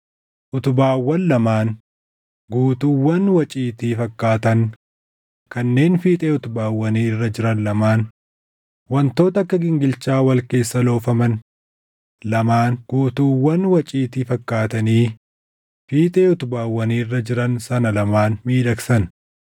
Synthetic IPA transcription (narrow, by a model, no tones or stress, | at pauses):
ʔʊt̪ʊbaːwːɐnlɐmaːn | ɡuːt̪ʊwːɐnwɐt͡ʃʼiːt̪iːfɐkːaːt̪ɐn | kɐnːe̞ːnfiːt̪ʼeːʊt̪ʊbaːwːɐniːrːɐd͡ʒɪɾɐnlɐmaːn | wɐnt̪o̞ːt̪ɐkːɐɡɪŋɡɪlt͡ʃaːwɐlke̞ːsːɐlo̞ːfɐmɐn | lɐmaːnɡ̥uːt̪uwːɐnwɐt͡ʃʼiːt̪ifɐkːaːt̪ɐniː | fiːt̪ʼeːʊt̪ʊbaːwːɐniːrːɐd͡ʒɪɾɐnsɐnɐlɐmaːnmiːd̪ɐksɐn